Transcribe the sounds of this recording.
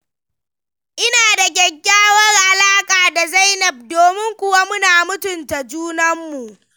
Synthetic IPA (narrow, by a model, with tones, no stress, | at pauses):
ʔɪ˦naː˨da˨ɡʲɐ˨ɡʲːaː˦wɐ˦rʔa˨laː˦kʼaː˨da˨za˦jnɐ˨b̚doː˨mɪ˦ŋkʷʊ˦wa˦mʊ˦naː˨mʊ˦tʊ˨nta˨d͡ʒuː˦nɐ˦mːu˨ʔ